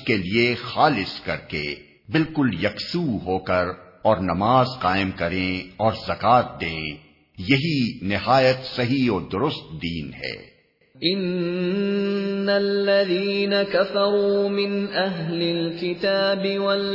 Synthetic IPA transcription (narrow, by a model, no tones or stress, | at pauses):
keliexaːlɪskɐɾkḛ | bɪlkʊljɐksuːɦoːkɐɾ | ɔːɾnɐmaːzqaːɪmkɐɾẽɔːɾzɐkaːt̪̚d̪ẽː | jɐɦinɪɦaːjət̪sɐɦiɔːɾd̪ʊɾʊst̪̚d̪iːnɦɛ̰ː | ʔɪn | alːaðiːnakafɑɾˤuːmɪnʔaɦlɪlkɪt̪aːbɪwɐl